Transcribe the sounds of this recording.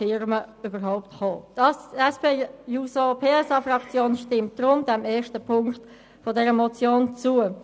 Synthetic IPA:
ɪɾməybəʁɦaʊpthɔːtɑsɛspeːjusopʰeːɛsɑfrɑkt͡sjoːnʃtɪmt̚d̥ʁʊndɛmeːʃtəpʰʊŋkt | fodɛɾəmɔt͡sjoːnt͡suə

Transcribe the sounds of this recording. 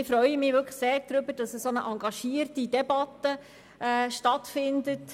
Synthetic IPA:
ɪfɾœʏəmɪʋʏkʰləseːɾd̪̥ɾʏbəɾd̥ɑsəsonəʔɑŋɡɑʃiːərtidɛbɑtə | ʔɛːʃtɑtfɪndət

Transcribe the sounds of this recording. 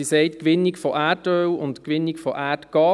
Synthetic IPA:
isɛɪtkʋɪnːikfɔʔæːtøːwʊntkʋɪnːikfɔʔæːtɡ̥ɑː

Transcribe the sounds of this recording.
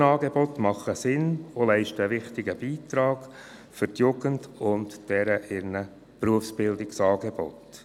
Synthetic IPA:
ɑːɡebɔtmɑχəsɪnolɛɪʃtəʋɪχtɪɡəb̥iːt̪ɾɑːɡ̥ | fʏɾtjuɡ̥əndʊntd̥ɛɾəʔɪɾnə | pɾuəfsb̥ɪldɪksɑːɡeb̥ɔ̰t

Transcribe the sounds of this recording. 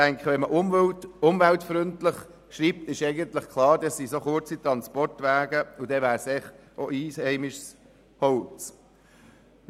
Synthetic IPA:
tɛŋkχəʋɛnməʔʊmtʊmvæltfɾʏntlɪχ | ʃɾiːp̚t̪ɪʃɛɪɡəntləχkʰlˠɑːɾdɑsːisoχʊt͡sit̪ɾɑnspɔrtʋæːɡəʊd̥ɛʋæːɾsɛχʔoʔiːshɛɪmɪʃs | hɔwlt͡s

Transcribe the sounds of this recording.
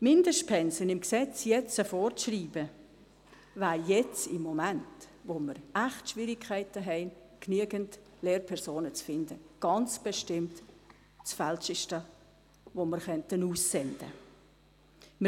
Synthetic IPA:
mɪnd̥əʃpʰɛnsənɪmksɛt͡sjɛt͡səfɔɾʃriːbə | vaːɾjɛt͡sɪmːomænt | ʋoməɾæχtʃvɪɾɪkʰːaɪtəɦɛɪn | knyəɡənt | leːɾpʰɛɾsoːnət͡sfɪndəɡ̥ɑnt͡sb̥eʃtɪmt | t͡sfalʃɪʃtə | ʋoməɾχœntənuːsːɛnd̥ə̰ | mə

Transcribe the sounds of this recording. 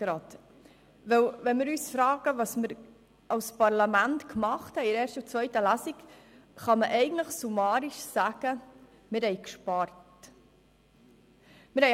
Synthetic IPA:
ɾɑt̪ | ʋɛwʋɛnmɪɾyːsfɾɑːɡ̥əʋɑsmɪɾ | ʔɑwspɑɾlɑmæntkmɑχthɛjɾeːɾʃtəut͡sʋœʏtəlæsikχɑməʔɛɪɡən̩tləχsumɑːɾiʃsæɡ̥ə | mɪɾhɛɪkʃpɑɾtt | mɪɾhɛ

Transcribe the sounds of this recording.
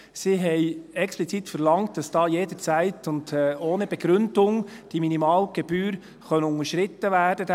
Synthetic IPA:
siɦɛɪɛksplit͡sit̪fəɾlɑŋt̚d̥ɑsd̥ɑːjeːdət͡sæɪtʰʊndɛoːnəb̥ɛɡ̥ɾʏnd̥ʊŋd̥iminimɑːlɡ̥ɛb̥yːɾ | χœnʊŋəʃɾɪt̪ːəʋæːd̥əd

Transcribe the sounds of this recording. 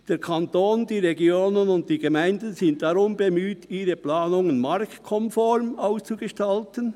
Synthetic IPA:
d̥eːɾkʰɑntoːndiːʁeɡjoːnənʊnt̚tiːɡemaɪndn̩zɪnt̚d̥aʁʊmbemyːtiːɾəplaːnʊŋənmɑɾktkʰɔmfɔɾmaʊst͡suɡəʃtaltən

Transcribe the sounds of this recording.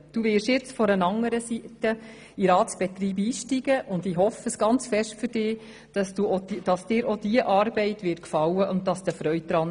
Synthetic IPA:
d̥uːʋɪɾʃjɪt͡sfɔɾənɑŋːəɾəsitə | iɾɑːtt͡sb̥ɛt̪ɾiːbiːʃtiɡ̥əʔʊndiɦɔfəsɡ̥ɑnt͡sfɛʃtfʏɾd̥ɪː | d̥ɑsd̥uodd̥ɑsd̥ɪːɾod̥iəʔɑːɾbɛɪtʋɪt̚kfɑwəʔʊnttːɑsd̥̪əfɾœʏt̚d̥̪ɾɑn

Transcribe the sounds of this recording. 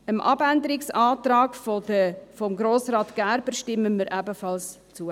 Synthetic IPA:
əmʔɑ̰bænd̪əɾɪksɑːt̪ɾɑːɡfodəfɔmɡɾoːsɾɑːt̪ɡ̥æɾb̥ərʃtɪmːəməɾʔæbəfɑls | t͡suə

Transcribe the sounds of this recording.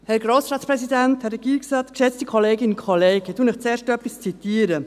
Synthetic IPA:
hɛɾɡɾoːsɾɑːtt͡spɾɛsidɛnthɛɾɛɡ̥iːksɑt̪kʃɛt͡stikʰɔleːɡɪnkʰɔleːɡətuːnɪχt͡seːɾʃtœpist͡sitiːəɾə

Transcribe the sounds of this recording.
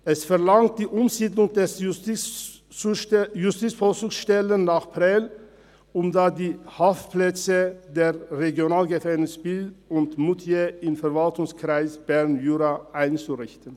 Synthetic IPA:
ʔɛsfɛɐlaŋt̚d̥iːʔʊmziːdlʊŋdɛs | jʊstiːt͡sfosuːksʃtɛlənnaːχpʁɛl | ʔʊmdaːdiːhafplɛt͡sədeːʁeɡjonaːlɡəfɛnɪsb̥ɪltʊntmʊtʰjeɪmfɛɐvaltʊŋskʁ̥aɪsb̥ɛʁnjyːʁaʔaɪnt͡suʁɪçtən

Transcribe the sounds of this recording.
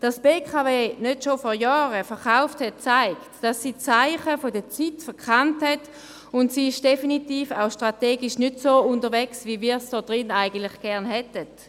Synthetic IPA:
d̥asb̥eːkχaveːnøtʃofɔʁjɔːʁəfɛɐʁχaʊfthɛt̚t͡saɪktd̥asːiːt͡saɪχəfodət͡sitfɛɐkʰanthɛt | ʊntsiːɪʃd̥efinitiːfa̰ʊʃtʁateːɡiʃnydsoːundəʁʋɛksviviːsd̥ɔːd̥ʁɪnaɪɡən̩tlɪχɡ̥ɛʁnɦɛtət

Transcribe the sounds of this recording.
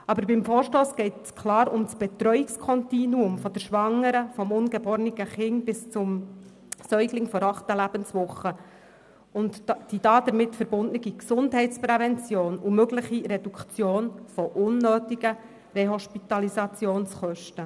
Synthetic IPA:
ɑbəɾbɪmfoːɾʃtoːsɡ̥ɛɪtskʰlɑːɾʊmsb̥ɛt̪ɾœʏɪkskʰɔntinuʊmfɔd̥əɾʃʋɑŋːəɾəfɔmʊnɡəbɔːɾniɡ̥əχɪŋbɪst͡sʊm | sœʏɡlɪŋfɔɾɑχtəlæb̥ənsvʊχːə | ʊntd̥idɑːd̥̪əɾmɪtfəɾbʊndnəɡiksʊndɦɛɪt͡spɾɛvɛnt͡sjoːnumøɡləχiɾɛd̥ukt͡sjoːnfɔʔʊnːøːtiɡə | reɦɔʃpit̪ɑlisɑt͡sjoːnsχœʃtə

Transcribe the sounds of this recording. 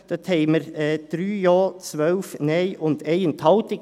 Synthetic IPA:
d̪̥ət̪ʰeɪməɾɛd̪̥ɾyːjoːt͡sʋœlfneɪʔʊnt̪eɪənt̪ʰɑʊt̪ɪk

